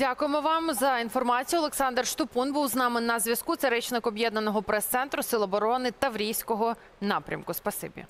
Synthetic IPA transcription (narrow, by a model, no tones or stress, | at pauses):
dʲakʊjemɔʋɑmzɐinfɔrmɑt͡sʲijʊɔlˠeksɑnd̪rʃt̪ʊpunbuwznɑmɪnɐzʲʋʲɐskut̪sɛɾɛt͡ʃnɪkɔbjɛd̪nɐnɔɦɔpɾɛst̪sɛnt̪ɾʊsɪlˠɐbɔɾɔnɪt̪ɐʋɾʲijsʲkɔɦɔ | nɑpɾʲʔɐ̰mkʊspɐsɪ̰bʲḭ